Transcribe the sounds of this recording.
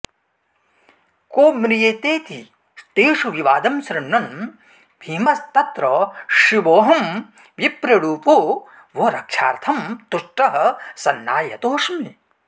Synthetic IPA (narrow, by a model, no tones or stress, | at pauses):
koːmɾijeːt̪eːt̪i | st̪eːʂuʋiʋaːd̪ɐmsɾɐɳɳɐn | bʱiːmɐst̪ɐt̪ɾɐʃiʋoːɦɐm | ʋipɾɐɽuːpoː | ʋoɾɐkʂa̰ːɾt̪ʰɐmt̪uʂʈɐɦɐ̆sɐnːa̰ːjɐ̰t̪oːʂmi